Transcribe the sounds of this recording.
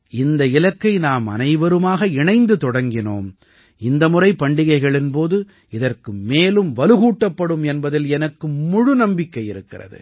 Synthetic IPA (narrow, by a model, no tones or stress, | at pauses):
ɪnd̪ɐɪlɐkːɐɪnaːmɐ̰nɐɪʋɐɾɯmaːɣɐɪɳɐɪnd̪ɯt̪ɔɽɐŋɡɪno̰ːm | ɪnd̪ɐmʊrɐɪpːɐɳɖɪɣɐɪɣɐɭɪnpoːðɯ | ɪðɐrkɯmeːlɯmʋɐlɯɣuːʈːɐpːɐɽɯmɛnbɐðɪlɛnɐkːɯmʊɻʊnɐmbɪkːɐɪɪɾɯkːɪ̰rɐ̰ðɯ̰